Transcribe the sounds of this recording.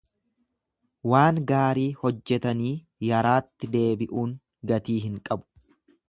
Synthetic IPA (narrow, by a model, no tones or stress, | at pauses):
waːŋɡaːɾiːhɔd͡ʒːɛt̪ɐniː | jɐɾaːt̪ːɪd̪e̞ːbɪʔuːŋ | ɡɐt̪iːɦɪŋkʼɐbʊ̥